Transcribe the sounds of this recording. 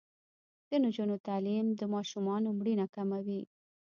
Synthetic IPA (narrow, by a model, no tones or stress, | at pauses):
ɡ̥ənod͡ʒunot̪alimd̪əmɑʃumɑnomɽinakamawi